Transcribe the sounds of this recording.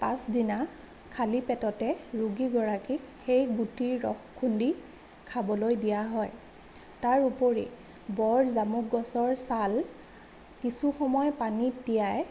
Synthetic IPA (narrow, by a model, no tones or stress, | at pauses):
pasdina | kʰalipɛtɔtɛɹuɡiɡɔɹakixejɡutiɹːɔxkʰːundi | kʰabɔlojdijaɦɔj | taɹupoɹḭ | bɔɹzamukɡɔsɔɹsal | kisuxɔmɔjpanitijaj